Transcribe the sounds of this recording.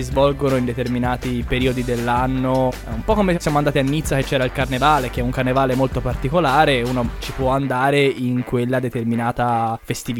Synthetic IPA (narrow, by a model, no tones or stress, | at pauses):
izvɔlɡonoind̪et̪erminaːt̪ipeɾiːod̪id̪elːanːo | umpɔkːomesjaːmoand̪aːt̪ianːit̪sːak̟et͡ʃːɛːɾailkarnevaːlek̟eɛuŋkarnevaːlemolt̪opart̪ikolaːɾeuːnot͡ʃipwɔand̪aːɾeiŋkwelːad̪et̪erminaːt̪afest̪iv